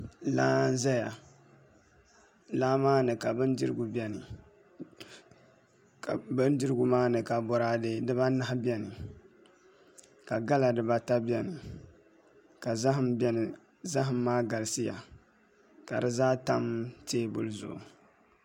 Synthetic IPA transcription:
laː˦n˦za˦ja̰˨ | laː˦maː˦nɨ˨ka˨bɨ˦n˦di˦ɾɨ˦ɡu˨bɛ˦nɨ˨ | bɨ˦n˦di˦ɾɨ˦ɡʊ˨maː˦nɨ˨ka˨bɔ˨ɾa˦de˦dɨ˦ba˦na˦ɦbɛ˦nɨ˨ | ka˨ɡa˦la˨dɨ˨ba˦ta˦bi˦ɛ˦nɨ˨ | ka˨za˦ɦɨ˦mbɛ˦nɨ˨ | za˦ɦɨ˨m̩ːaː˦ɡa˨lsɨ˦ja̰˨ | ka˨dɨ˦zaː˦ta˦mteː˦bʊ̰˦lzʊ̰˨ʔʊ̰˨

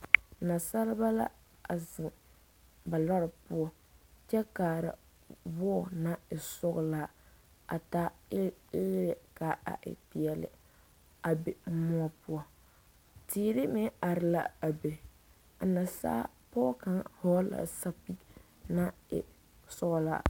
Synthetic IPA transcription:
na˨sa˦lɪ˦ba˦la̰˦ | a˨zɪ˨ŋ | ba˨la˦ɾɪ˨pʊ˦ɔ˦ | t͡ʃɛ˦kaː˨ɾa̰˨ | bɔ˦˨na˦ɪ˨sʊ˦ɡlaː˦ | a˨ta˦ɪ˦lɛ˦ka˨a̰˨ʔɪ̰˨pi˨ɛ˨lɪ̰˨ | a˨be˨˦mɔ˦ɔ˦pʊ˦ɔ˦ | tiː˦˨˦ɾɪ˦mɪ˦a˨ɾɪ˦la̰˦a˨be˨ | a˨na˨sa̰ː˦ | pɔ˦ka˦ŋhɔ˦la̰˨sa˦pi˦ | na˦ɪ̰˨ | sʊ˦ɣla̰ː˦

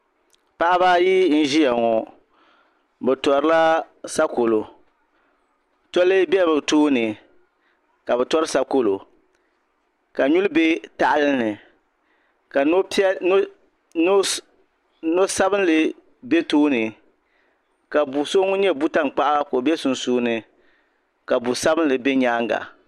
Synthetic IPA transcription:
pa˦ʔa˦ba˦ji˦n̩˦ʒi˦ja˨ŋɔ˨ | bɛ˨tɔ˨ɾɨ˦la˦ | sa˦ko˨lo˨ | tɔ˦lɨ˦bɛ˦˨bɨ˨toː˦nɨ˨ | ka˨bɛ˨tɔ˦ɾɨ˦sa˦ko˦lo˨ | ka˨ɲu˦lbe˦ta˦˨ʔa˦lɨ˦nɨ˨ | ka˨n˦ | n˦ | no˦sa˦bɨ˦n˦lɨ˨ | be˦toː˦nɨ˨ | ka˨bu˨so˦ŋʊ˦ɲɛ˦bu˦ta˦ŋ˨k͡pa˦ʔa˦ko˨bɛ˦sʊ˨n˦suː˦nɨ˨ | ka˨bu˨sa˦bɨ˦n˦lɨ˨be˦ɲaː˦ŋɡa̰˨

